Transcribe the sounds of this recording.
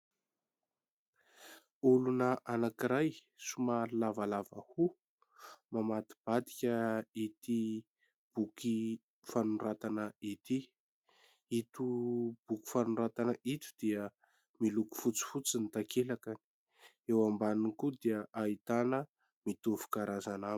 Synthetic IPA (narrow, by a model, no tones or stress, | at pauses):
ulunəʔanakiɾaj | sumaɾilavalavə̰hu | mamat̪i̥b̥ad̪i̥kʲəit̪i | b̥uki | fanurat̪anəit̪i | it̪ub̥uki̥fanuɾat̪anəʔit̪u̥d̪̥iə | miluku̥fut͡si̥fut͡sinit̪akelakani̥ | ewambaninkud̪iəʔait̪anə | mit̪uvu̥kaɾazanam